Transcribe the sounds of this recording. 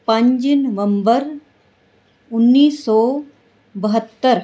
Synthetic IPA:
pɐ̃ɲd͡ʒnɐʋə̃mbəɾ | ʊnːiːsːɔː | bɐɦət̪ːəɾ

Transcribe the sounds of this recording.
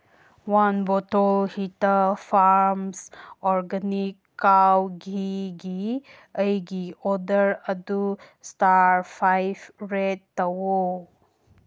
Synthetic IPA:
wanbɔtɔlhitapʰaɾmsɔɾɡanikːawɡiɡi | əjɡiɔdəɾədu | staɾpʰajbʰɾedtːawo

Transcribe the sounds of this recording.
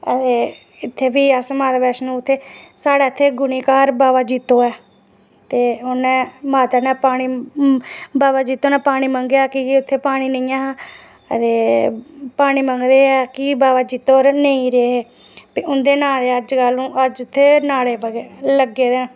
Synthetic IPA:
ət̪eː | ɪt̪ʰːeːbiːəsmaːt̪abɛːʃnũːt̪ʰːeːsaːɽaːɪt̪ʰːeːɡʊniːkaːɾbaːʋaːd͡ʒiːt̪ːoːɛː | t̪eːʊnɛ̃ːmaːt̪aːnɛ̃ːpaːɽ̃iː | baːʋaːd͡ʒiːt̪ːoːnɛ̃ːpaːɽ̃iːməŋɡeaːkɪʊt̪ʰːeːpaːɽ̃iːnəĩːãːɦaː | ə̰t̪eː | paːɽ̃iːməŋɡd̪eːɛːkɪbaːʋaːd͡ʒiːt̪ːoːɾnəĩːɾeːɦeː | piʊnd̪eːnãːd̪eːəd͡ʒkalnũːʔəd͡ʒʊt̪ʰːeːnaːɽeːpəɡeləɡeːd̪

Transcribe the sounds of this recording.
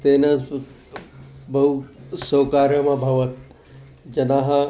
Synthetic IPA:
t̪enɐ | bɐɦusoːkaːɾjəmãbʱɐʋət̪ | d͡ʒɐnaːɦɐ̃

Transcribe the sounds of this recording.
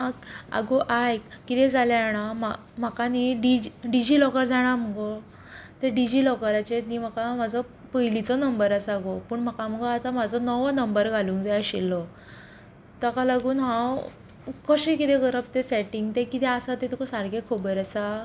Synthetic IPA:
aa̰ɡoʔajkit̪ɛd͡zaljaaɽ̃ama | m̤akaniɖid͡ʑɖid͡ʑiːlɔkəɾd͡zaɽ̃am̤əɡɔ | t̪eɖid͡ʑilɔkəɾat͡ɕenim̤akamad͡zʱɔ | pəɦilit͡sɔnəmbəɾasaɡopəɳm̤akam̤əɡoat̪am̤ad͡zɔnɔʋnəmbəɾɡʱalũːŋkd͡zaaɕilːɔ | t̪əkalaɡuːnɦãw | kəɕẽkit̪ẽɡəɾəb̚t̪esɛʈiŋɡt̪ekit̪ɛasat̪et̪ukɔsaɾɡekʰobəɾasa

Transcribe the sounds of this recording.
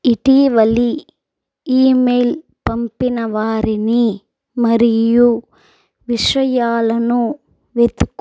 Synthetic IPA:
iʈiʋɐli | iːmejl | pɐmpinɐʋaːɾini | mɐɾiju | ʋiʂɐjaːlɐnu | ʋet̪ukː

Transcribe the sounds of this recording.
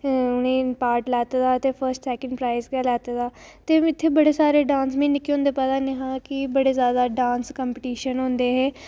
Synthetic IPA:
ʊnĩːpaːɾʈlɛːt̪ːd̪aːt̪eːpʰəɾsʈsɛːkəɳɖpɾaːɪskɛːlɛːt̪ed̪aːt̪eːɪt̪ʰːeːbəɽeːsaːɾeːɖãːnsmẽːnɪkeõːnd̪eːpəd̪aːnẽɦãːkɪbəɽeːzjaːd̪aːɖãːnskəmpəʈiːʃənɦõːnd̪eːɦɛː

